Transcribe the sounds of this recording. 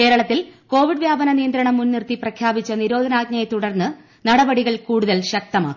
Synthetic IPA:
ke̞ːɾɐɭɐt̪ːilko̞ːʋiɖʋjaːbɐnɐnijɐnd̪ɾɐɳɐmːunːirt̪iprɐkʰjaːbit͡ɕːɐniɾo̞ːd̪ʱɐnaːɡ̚ɲɐjɐt̪uɽɐrnːɨ | nɐɽɐbɐɽiɣɐɭkuːɽuðɐlɕɐk̚t̪ɐma̰ːkːu

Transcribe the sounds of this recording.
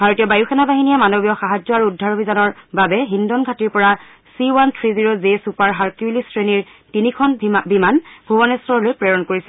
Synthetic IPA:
bʱaɹotijɔbajuxɛnabaɦinijɛmanobijɔxaɦad͡ʒɔaɹuudʱːaɹobʱizanɔɹbabɛɦindɔnɡʱatiɹpɔɹa | siwantʰɹiziɹozesupaɹɦaɹkiilistɹeniɹ | tinikʰɔnbimanbʱubɔnɛsɹɔɹlojpɹɛɹɔnkoɹisɛ

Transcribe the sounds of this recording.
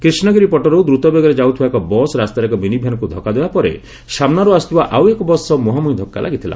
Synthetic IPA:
kɾisnɔɡiɾipɔʈɔɾod̪ɾut̪ɔbeɡɔɾed͡ʒaut̪ʰibaekɔbɔsɾast̪aɾekɔbinibʱjanɔkud̪ʱɔkad̪ebapɔɾḛ | samnaɾuast̪ubaʔawekɔbɔsɔmoɦamuĩd̪ʱɔkːa̰lʔa̰ɡit̪ʰila̰

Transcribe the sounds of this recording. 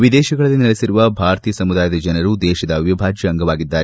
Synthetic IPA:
ʋid̪ɛːʃɐɡɐɭɐlːinɐɭisiɾuʋɐbʱaːɾt̪ijɐsɐmud̪aːjɐd̪ɐd͡ʒɐnɐɾud̪ɛːʃɐd̪ɐʋjɐbʱaːd͡ʒjɐːŋɡɐʋaːɡid̪ːaːɾɛ

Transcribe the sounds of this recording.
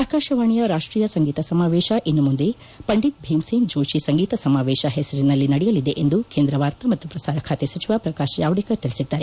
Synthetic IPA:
aːkaːʃɐʋaːɳijɐɾaːʂʈɾiːjɐsɐŋɡiːt̪ɐsɐmaːʋɛːʃɐʔenːumund̪e | pɐɳɖit̪̚bʱeːmseŋɡd͡ʒoːʃisɐŋɡiːt̪ɐsɐmaːʋɛːʃɐɦɛsɐɾinɐlːinɐɽɛjɐlid̪eʔend̪ukeːnd̪ɾɐʋaːɾt̪ɐmɐt̪ːupɾɐsaːɾɐkʰaːt̪esɐt͡ʃiʋaːpɾɐkaːʃɐjaːʋɐɽikɐt̪ilisid̪ːaːɾe

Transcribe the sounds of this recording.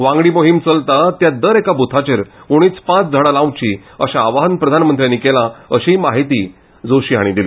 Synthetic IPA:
ʋãŋɡɽiːmoɦimt͡səlt̪at̪jad̪əɾekabʱut̪ʰat͡ɕeɾkoɽ̃iːt͡spãt͡sd͡zʱəɽalãw̃t͡ɕiəɕaːʋaɦənpɾəd̪ʱanmənt̪ɾijãnːikelaəɕimaɦit̪iː | d͡zoɕiːɦaɽ̃id̪ili

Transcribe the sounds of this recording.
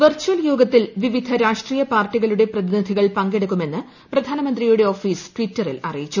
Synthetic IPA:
ʋɐrt͡ɕːuɐljoːɡɐt̪ːilʋiʋid̪ʱɐɾaːʂʈriːjɐpaːrʈːiɣɐɭuɽe̞prɐðinid̪ʱiɣɐɭpɐŋɡeɽɐkːume̞nːɨ | prɐd̪ʱaːnɐmɐnd̪rijuɽe̞o̞ːfiːsʈʋitːɐrḭlɐ̰rijit͡ɕːu

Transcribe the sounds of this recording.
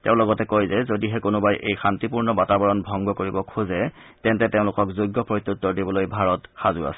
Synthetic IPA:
teʊ̃lɔɡɔtɛkojzɛzodiɦɛkonobajʔḛjxantipuɹnɔbatabɔɹɔnbʱɔŋɡɔkoɹibɔkʰuzɛ | tɛntɛteʊ̃lʊkɔkzoɡːɔpɹojt̪ːut̪ːɔdibɔlojbʱaɹɔtxazʊa̰sɛ̥

